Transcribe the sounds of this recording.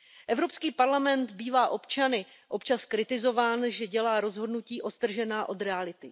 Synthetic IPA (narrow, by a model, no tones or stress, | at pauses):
ʔɛvɾo̞pskiːpaɾlamɛnt̪biːvaːʔo̞pt͡ʃanɪ | ʔo̞pt͡ʃaskɾɪt̪ɪzo̞vaːnʒɛɟɛlaːɾo̞zɦo̞dnuciːʔo̞t̪t̪r̩ʒɛnaːʔo̞d̪ɾɛalɪt̪ɪ